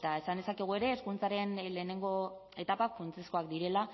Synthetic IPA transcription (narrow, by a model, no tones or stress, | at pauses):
t̪ae̞sand̪e̞sakeɣ̞ue̞ɾe̞ːskunt͡saɾe̞nle̞ːne̞ŋɡo̞ | e̞t̪apakfunt͡sesko̞ak̚d̪iɾe̞la